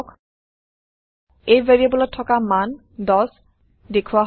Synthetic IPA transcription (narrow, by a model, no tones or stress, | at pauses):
k | ejveɹiabɔlɔtʰːɔkaman | dɔs | dekʰuwaɦ